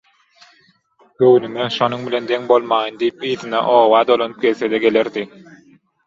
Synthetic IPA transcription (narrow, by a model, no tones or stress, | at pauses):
øwnyŋeʃo̞nuŋbile̞nd̪eŋbo̞lˠmɑːjɯnd̪ijip̚iːðinɛ̰ʔoːwɑːd̪olˠonɯp̚ɡe̞lθed̪eɡe̞le̞ɾd̪i